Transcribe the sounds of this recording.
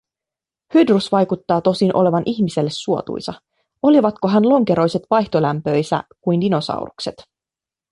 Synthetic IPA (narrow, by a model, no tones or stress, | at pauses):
hyd̪rusʋɑjkut̪ːɑːt̪o̞sinʔo̞le̞ʋɑnʔiçmise̞lːe̞sːuo̞t̪ṵjsɑ | o̞liʋɑt̪ko̞ɦænlo̞ŋke̞ɾo̞jse̞t̪ʋɑjçt̪o̞læmpø̞jsæ̰kujndino̞sɑ̰wɾukset̪